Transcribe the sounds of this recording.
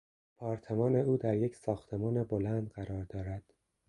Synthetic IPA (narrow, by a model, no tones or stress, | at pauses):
pʰɒːɾt̪ʰe̞mɒːne̞uːd̪æɾje̞csɒːxt̪ʰe̞mɒːnebo̞lænd̪ɢæɾɒːɾd̪ɒːɾæd̪̥